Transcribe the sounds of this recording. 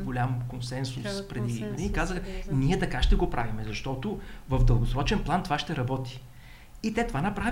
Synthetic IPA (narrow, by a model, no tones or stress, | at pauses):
ɡolʲamkonsɛnsʊspɾɛd̪id̪iikazəxnʲiɛt̪ɐkaʃt̪ɛɡopɾʔa̰vimɛzɐʃt̪ɔt̪ʊvɐvd̪əlˠɡʊsɾɔt͡ʃɛnplˠant̪ovaʃt̪ɛɾɐbɔt̪i̥ | it̪ɛt̪ovanɐpɾav